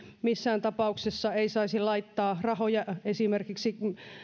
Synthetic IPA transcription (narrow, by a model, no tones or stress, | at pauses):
misːæːnt̪ɑpɑuksesːɑeisɑisilɑit̪ːɑːrɑhojɑesimerkiksi